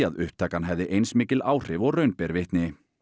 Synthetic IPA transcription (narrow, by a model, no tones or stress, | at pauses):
aðʏhp̚t̪ʰaːkanɦɛvðɪʔejnsmɪːcɪlaːwr̥ɪvɔɣrœɥnpɛɾvɪht̪nɪ